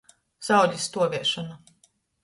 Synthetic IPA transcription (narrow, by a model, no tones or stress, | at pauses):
z̥ɑwdʲist̪uɔvʲiɛʃɔna